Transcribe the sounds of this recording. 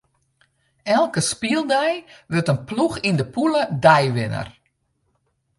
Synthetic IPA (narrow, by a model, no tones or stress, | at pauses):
ɛlˠkəspiəlˠdɛjʋøtənpluxindəpulədɛjʋɪnə̰r